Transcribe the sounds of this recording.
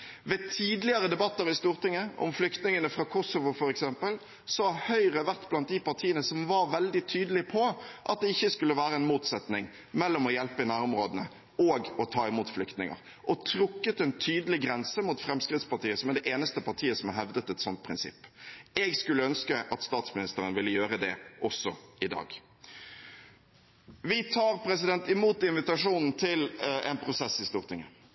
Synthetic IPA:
ʋɛt̪ʰiːd̪lɪəɾəd̪ɛbɑt̪ːəɾɪst̪uːʁt̪ɪŋːəɔ̰mflʏkt̪nɪŋənəfʁɑkʰɔsɔʋʊfɔɾɛksɛmpəl | sɔhɑhœʏʁəʋæʁt̪blɑnt̪̚d̪ɪpɑʁt̪ʰiːənəsɔmʋɑɾʋɛld̪ɪt̪ʰyːd̪əlɪpʰɔʔɑ̰t̪̚d̪ɛɪçːəskʉlːəʋæːɾəɛnmuːt̪sɛt̪nɪŋ | mɛlːɔmɔjɛlpənæːɾɔmɾoːd̪ənə | ɔɡɔt̪ʰɑːɪmuːt̪flʏkt̪nɪ̰ŋə̰ʁ | ʔɔt̪ʰɾʊkːət̪ɛnt̪ʰyːd̪əlɪɡɾɛnsəmuːt̪fɾɛmskɾɪt̪spɑʁt̪iːəsɔmæɖ̪ɛʔeːnəst̪əpɑʁʈ̪ʰiːəsɔmɑɦɛʋd̪ət̪ɛt̪sɔnt̪̚pʰʁɪnsɪ̰pːɛɡskʉlːəœnskəʔɑt̪st̪ɑːt̪smɪnɪst̪əɾənʋɪlːəjøːɾəd̪ɛʔɔsɔɪd̪ɑ̰ːɡ | ʋɪt̪ʰɑːɾpʰɾɛsɪd̪ɛnt̪ɪmuːt̪ɪnʋɪt̪ɑʂuːnn̩t̪ʰɪlɛnpʰɾʊsɛsːɪst̪ʊːʁt̪ɪŋə

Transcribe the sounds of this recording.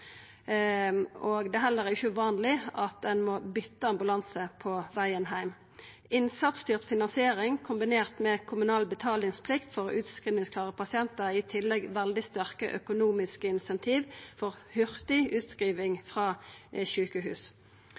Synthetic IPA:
ʔoɡd̪ɛɦɛlːəʁɛʁjʏçəʋɑːnlɪʔɑt̪̚d̪ɛnmobʏt̪ːəɑmbʉlɑnsəpʰɔʋæɪənɦæɪm | ɪnsɑt̪st̪yːʁt̪fɪnɑnsɪeːʁɪŋkʰʊmbɪneːʁt̪mɛkʰʊmʉnɑːlbət̪ʰɑːlɪŋspʰlɪkt̪fɔʁʉːt̪skʁiːnɪŋskʰlɑːʁəpʰɑsɪɛnt̪əʁɪt̪ʰɪlːɛɡʋɛld̪ɪst̪æʁkə̰ʔœ̰kʊnuːmɪskəɪnsɛnt̪ʰiːʋfɔʁhʏʁt̪ɪʉːt̪skʁiːʋɪŋfʁɑːʃʉːkəɦʉ̰ːs

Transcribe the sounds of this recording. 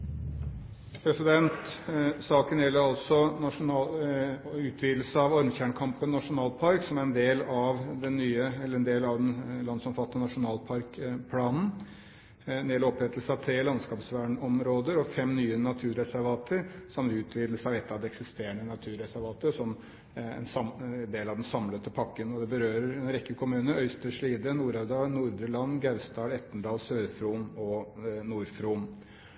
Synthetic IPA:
pʰɾɛsɪd̪ɛnt̪sɑːkənjɛlːəɾɑlsɔʂʊ | ʉːt̪ʰʋiːd̪lsəɑʋɑɾmçæːɳkʰɑmpənːɑʂʊnɑːlpʰɑɾksɔmæɾɛnd̪eːlɑʋd̪ɛnːyːəɛlːəɾɛnd̪eːlɑʋd̪ɛnlɑnsɔmfɑt̪ːənɑʂʊnɑːlpʰɑɾkpʰlɑːnn̩ | ɛnjɛlːəɾɔpːɾɛt̪lsəɑʋt̪ʰɾeːlɑnskɑːpsʋæːɳɔmɾoːd̪əɾɔfɛmnyːənɑt̪ʰʉːɾɛsæɾʋɑːt̪ʰəɾsɔmd̪ʉːt̪ʰʋiːd̪ləʂɑʋɛt̪ːɑʋd̪ɛksɪst̪eːəɳənɑt̪ʰʉːɾɛsæɾʋɑːt̪əʂɔm | ɛ̰nsd̪eːlɑʋd̪ɛnsɑmlət̪ʰəpʰɑkːənɔd̪ɛbəɾøːɾəɾɛnɾɛkːəkʰʊmʉːnəɾœʏst̪ɾəʂɭiːd̪ənuːɾɑʋd̪ɑːnuːɾd̪ɾəlɑnːɡɑʉst̪ɑːlɛt̪ːənd̪ɑːlsøːɾfɾuːmɔnuːɾfɾuːm

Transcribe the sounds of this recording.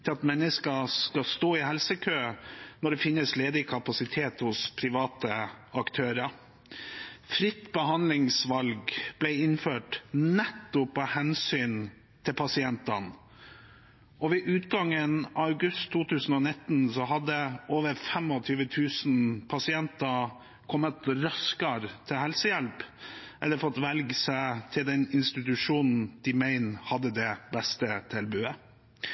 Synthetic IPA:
t̪ʰɪlɑt̪mɛnːəskəskɑst̪oːɪhɛlsəkʰøːnɔɖɛfɪnːəsleːd̪ɪkʰɑpɑsɪt̪ʰeːt̪hʊspʰɾɪʋɑːt̪əɑkt̪ʰøːɾə | fɾɪt̪ːbəhɑnlɪŋsʋɑlɡb̥lɛɪnføːʈnɛt̪ːʊpːɑhɛnsyːn | t̪ʰɪlpʰɑsɪɛnt̪ɑn | ʔɔʋɪʔʉːt̪̚ɡɑŋːənɑɑʉɡʉst̪ʰːuːt̪ʰʉːsn̩ɔnɪt̪n̩sɔɦɑd̪ːəʔoːʋəɾfɛmɔt̪ʰyːʋət̪ʰʉːsn̩pʰɑsɪɛnt̪ɑ | kʰɔmːət̪ɾɑskɑɾt̪ʰɪlhɛlsəjɛlpʔɛlːəɾfɔt̪ʋɛlɡsæɪt̪ʰɪld̪ɛnɪnst̪ɪt̪ʉʂuːnn̩d̪̥ɪmæɪnhɑd̪ːəd̪ɛbɛst̪ət̪ʰɪlbʉə

